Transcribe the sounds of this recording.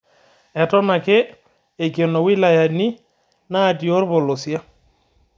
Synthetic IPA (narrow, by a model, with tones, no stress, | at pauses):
ɛ˨tɔ˦na˨keː˦˨ | kjo˨no˨wɪ˦la˨ja˨ni˦ | naː˦˨tjo˦rβɔ˨lo˨sja˦